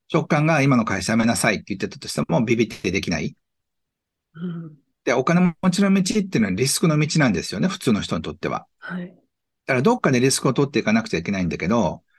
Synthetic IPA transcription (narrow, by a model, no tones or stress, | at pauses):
t͡ɕo̞kːãŋɡaimano̞kaiɕaamenasait̪ːejɯ̟t̪ːe̞t̪ḁt̪o̞ɕi̥t̪emo̞bʲibʲit̪ːed̪e̞kʲina̰i | d̪̥eo̞kane̞momot͡ɕiɾõ̞mmʲit͡ɕit̪̬ːei̟noaɾʲisɨ̥kɯ̟nomʲit͡ɕinãnd̪esɨ̥jo̞ne̞ɸɯ̟̥t͡sɨːno̞çi̥t̪o̞ɲit̪o̞t̪ːe̞βa̰ | ha | d̪̥aɾad̪o̞kːad̪e̞ɾʲisɨ̥kɯ̟ot̪o̞t̪ːe̞ikanakɯ̟̥t͡ɕaike̞naĩnd̪ake̞d̪o̞